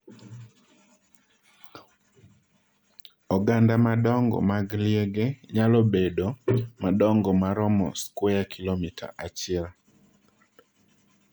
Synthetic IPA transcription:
ɔɡandamadɔŋɡɔ̰maɡljeɡeɲalɔbedomaɗɔŋɡɔmaɾɔmɔ̰skwojakʰilomitʰa̰ʔat͡ʃiɛl

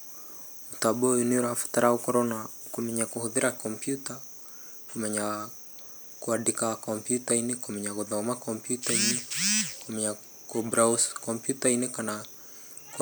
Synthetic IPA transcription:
utaɓuɔuniuɾafu̥taɾaukɔɾɔna | kumɛɲakuhuðiɾakɔmpjuta | kumɛɲa | kuadikakɔmpjutainikumɛɲakuðɔmakɔmpjutainikumɛɲa | kubɾauskɔmpjutainɛkana | k

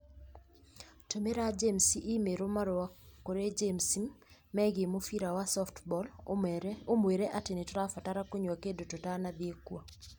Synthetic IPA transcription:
tomeɾad͡ʒemsiʔimeɾomaɾɔwakoɾed͡ʒemsimːɛɡemofiɾawasɔftbɔl | omweɾeʔatenetɔɾafataɾakoɲakedototanad̪iekwo

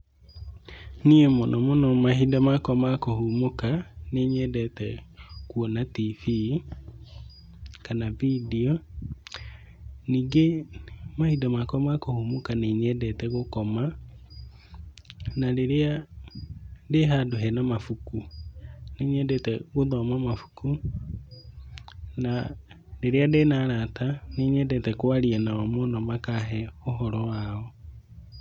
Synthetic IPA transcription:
niemɔnʔɔmɔnɔmaɦidamakɔmakohumokaneɲɛdɛtɛkuɔnatifi | kanavidiɔ | niːɡemahidamakɔmakohumokaneɲɛdɛtɛɣokɔma | naleɾea | deɦadoɦɛnamafuku | neɲɛdɛtɛɣuðɔmamafu̥ku | na | leɾeadenaɾataneɲɛdɛtɛkwaɾianaamonɔmakaɦɛoɦɔɾɔwao

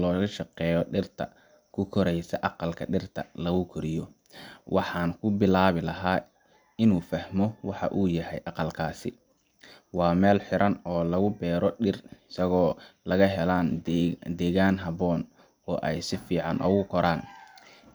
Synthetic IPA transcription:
lɔːɣɐʃɑqɛːjɔɖɪrt̪ʰɐ̰ | kʰʊkʰɔɾɛjsɐʔɑqɑlkʰɐ̰ɖɪrt̪ʰɐlɐɣʊkʰʊɾɪjɔ | wʔɑħɑːnkʰʊbɪlaːβɪlɐɦaː | ɪnuːfɐhmɔwɑħɑ̰ʔuːjɐɦɛjʔɑqɐlkʰaːsɪ̰ | wɑːmɛːlħɪɾɐnɔːlɐɣʊbɛːɾɔɖɪrɪsɐɣɔːlɐɣɐɦɛlaːnd̪ɛːɣaːnɦɐβɔːn | ɔːʔɛjsɪfiːʕɑnʔɔ̰ːɣʊkʰɔɾaːn

